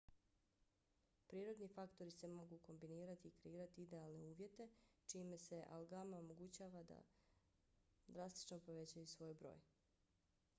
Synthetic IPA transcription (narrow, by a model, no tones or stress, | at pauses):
pɾiːɾo̞d̪nifakt̪o̞ɾise̞mo̞ɡuko̞mbiniːɾat̪iːkɾe̞iːɾat̪iid̪e̞alˠne̞uːʋje̞t̪e̞t͡ʃimese̞ʔa̰lɡamaomo̞ɡut͡ɕaːʋad̪a̰ | d̪ɾast̪i̥t͡ʃnopo̞ʋe̞t͡ɕajusʋo̞ːjbɾo̞̰ːj